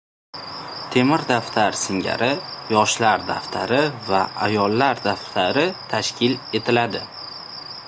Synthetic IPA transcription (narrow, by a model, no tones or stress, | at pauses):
t̪ʰe̞mɪɾd̪aft̪ʰaɾsɪŋɡʲa̰ɾɪjɒʃlaɾd̪aft̪ʰa̰ɾɪvaajɒlːaɾd̪aft̪ʰaɾɪt̪ʰaʃkʲɪle̞t̪ʰɪlad̪ɪ